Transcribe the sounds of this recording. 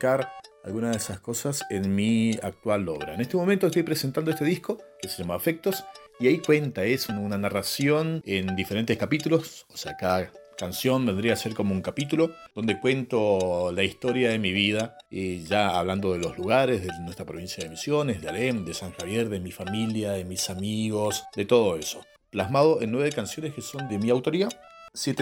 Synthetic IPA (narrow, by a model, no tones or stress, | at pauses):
kaɾa̰lɣunaðesasko̞sasenmiak̚t̪walo̰β̞ɾaene̞ht̪emomẽnt̪ost̪ojpɾesent̪and̪oest̪eihko̞keseʒamaβafek̚t̪o̞s | iaikwe̞nt̪aesonunanarasjo̞nend̪ifeɾe̞nt̪ehkapit̪ulo̞soseakaða | kansjo̞mbe̞nd̪ɾiaseɾko̞mouŋkapit̪ulo̞d̪̥o̞nd̪ekwe̞nt̪o̞laist̪o̞ɾjaðemiβiða | eʒaa̰βland̪o̞ð̞elo̞zluɣaɾezðenwest̪ɾapɾo̞βinsjaðemisjo̞nezðealemd̪esaŋxaβjeɾðe̞mifamiljaðemisamiɣo̞sd̪e̞t̪o̞ð̞o̞e̞so̞ | plaɦmað̞o̞ʔenːweβekansjo̞neskeso̞nd̪e̞miawt̪o̞ɾiðasjet̪e